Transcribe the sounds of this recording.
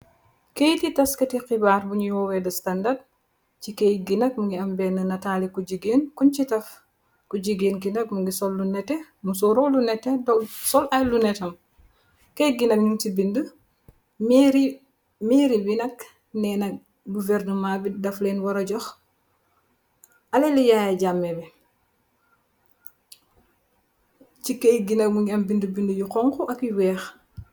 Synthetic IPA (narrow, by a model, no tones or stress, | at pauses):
kejtitɐskɐtixibaːɾbuɲujwɔwɛdɐstɐndad̚ | cikɛjɡinɐk̚muŋɡiɐmbɛːnənɐtaːlikuɟiɡeːnkunt͡ʃitɐf | kuɟiɡeːnɡinɐk̚muŋɡisɔlːunɛtːɛmus̬ɔɾɔlunɛtːɛdɔsɔlʔɐjlunɛtɐm | kejɡinɐk̚ɲuntibində | mːɾi | miɾibinɐk | nɛːnɐ | ɡuvɛɾnumaːbidɐfleːnwɐɾɐɟɔx | ɐlelijaːjaɟamːɛbi | cikɐjɡinɐk̚muŋɡiɐmbindəbindəjukɔŋkuʔɐkiwɛːx